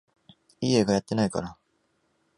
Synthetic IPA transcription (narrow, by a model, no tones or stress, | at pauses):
ieɡajat̪ːe̞naika̰ɾa